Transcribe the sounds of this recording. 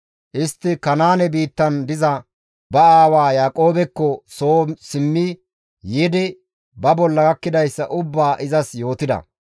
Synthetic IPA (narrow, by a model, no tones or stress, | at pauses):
ʔɪst̪ːɪkɐnaːnɛbiːt̪ːɐnd̪ɪzɐ | bɐaːwaːjaːkʼo̞ːbɛkːɔsoːsɪmːɪ | jɪd̪ɪ | bɐbɔlːɐɡɐkːɪd̪ɐjsːɐʔʊbːaːʔɪzɐsjo̞ːt̪ɪd̪ɐ̰